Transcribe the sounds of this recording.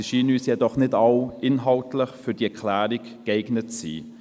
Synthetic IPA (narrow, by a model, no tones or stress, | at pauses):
ʃiːnyːsjɛdɔχnɪdɑʊɪnɦɑltləχfydiɛkʰlæːɾikːeɪɡnətsḭː